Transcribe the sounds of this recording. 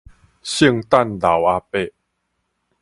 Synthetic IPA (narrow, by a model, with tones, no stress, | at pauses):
ɕi˥˧˨ŋt̪a˥˨nd̪a˨˦wa˧pe˥˧˨